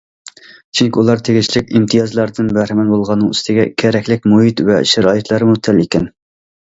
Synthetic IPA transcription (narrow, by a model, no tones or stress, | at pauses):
t͡ʃʰyŋkʲiulˠɑɾt̪ʰeɡʲiʃʰlɪkʲimt̪ʰɨjɑzlˠɑɾd̪ɨnbɛhɾæmɛnbolˠʁɑnːɨŋyst̪ɪɡʲɛkʲʰɛɾɛkʲlɪkʲmuɦit̪vɛʃæɾɑːit̪ʰlˠɑɾmut̪ʰælikʲɛn